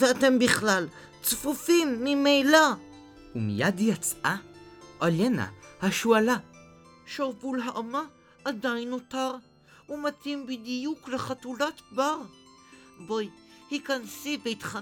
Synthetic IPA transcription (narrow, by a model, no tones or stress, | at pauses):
at̪e̞mbiχlal | t͡sfufimːimejla | umḭjad̪jat͡sʔaʔaljena̰haʃuala | ʃaʁvulɦaʔamaː | dajinːotaʁ | umatimbid̪ijukleχatulat̪baʁ | bojhikansiveit̪χa